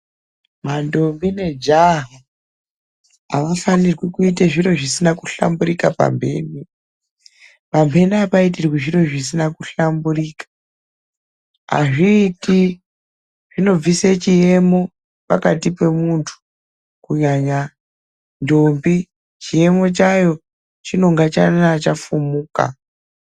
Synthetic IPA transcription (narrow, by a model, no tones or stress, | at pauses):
mando̞mbine̞d͡ʒaɦa | a̰ʋafanirɡikuiteʐiro̞ʐisinakuɬa̰mburikapa̰mbe̞̰ːni | pambʱe̞niapaitirwiʐiro̞ʐis̬inakuɬamburiːkḁ | ɦa̰ʐiːti | ʐ̥ino̞b͡viset͡ʃije̞mo̞ | pakatipe̞muntʰu̥ | kuɲaɲa | ndombi | t͡ʃije̞mo̞t͡ʃajo̞ | t͡ʃino̞ŋɡat͡ʃa̰nat͡ʃafumuːka̰